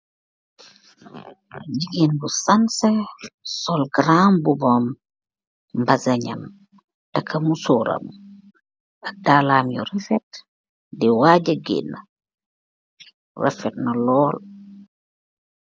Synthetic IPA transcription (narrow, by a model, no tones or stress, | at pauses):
ɟiɡiːnbusansesɔlɡɾambubɔm | mbazɐɲɐ̰m | tɐkʰːɐmusuːɾɐ̰mu | ɐdaːlaːmjṵɾifɛt | diwaːɟəɡḭnːɐ | rɛ̰fɛt̚nɐlɔːl